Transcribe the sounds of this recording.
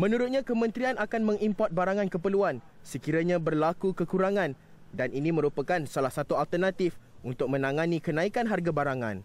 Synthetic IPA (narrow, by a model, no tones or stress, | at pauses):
mə̃nũɾʊt̪̚ɲãkəmə̃nt̪ɾianakanmə̃ŋimpɔt̪̚baɾaŋãnkəpərluan | səkiɾaɲãbərlakukəkuɾaŋãn | danʔinĩmə̃ɾupakansalahsat̪ualt̪ərnat̪ifunt̪ʊk̚mə̃nãŋãnĩkənãikanɦarɡabaɾaŋã̰n